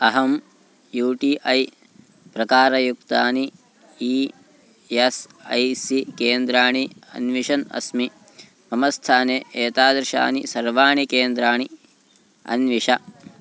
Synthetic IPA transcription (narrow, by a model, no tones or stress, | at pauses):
ɐɦɐm | juːʈiʔɐj | pɾɐkaːɾɐjukt̪aːni | i | esɐjsikeːnd̪ɾaːɳiɐ̰nʋiʃɐnɐ̰smi | mɐmɐst̪ʰaːneːeːt̪aːd̪ɾɪʃa̰ːnisɐɾʋaːɳikeːnd̪ɾaːɳi | ɐ̰nʋiʂɐ